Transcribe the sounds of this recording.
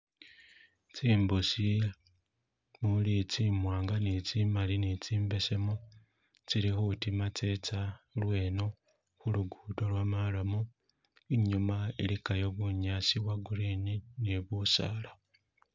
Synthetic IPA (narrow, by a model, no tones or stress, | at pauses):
t͡siːmbusi | mulit͡simwaːŋɡanit͡simalinit͡siːmbe̞se̞mo | t͡siɾixutimat͡se̞t͡salwe̞ːno̞ | xuluɡutolwamalamu | iɲumailikajo̞βuɲasiwaɡuɾinineβusa̰la